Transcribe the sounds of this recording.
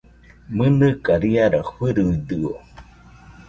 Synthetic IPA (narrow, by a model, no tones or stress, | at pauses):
mɨnɨkaɾiaɾaɸɨɾɯd̪ɯo